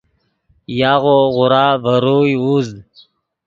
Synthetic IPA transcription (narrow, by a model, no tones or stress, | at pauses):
jaːɣoɣʊɾaːvəɾuːjuːzd̪